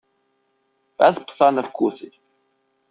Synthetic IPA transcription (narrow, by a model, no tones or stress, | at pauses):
æθəpsˤɑnəfkːuθi